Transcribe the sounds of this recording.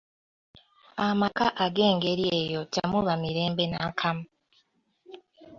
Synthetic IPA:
amakaʔaɡe̞ːŋɡe̞ɾje̞jo̞ca̰muβamiɾe̞ːmbe̞nakʰama

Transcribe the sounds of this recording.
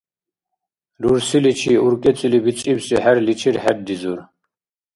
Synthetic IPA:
luɾsilit͡ʃʰiuɾkʼɛt͡sʼilibit͡sʼibsiɦæɾlit͡ʃʰiɾhæd̚d̪izuɾ

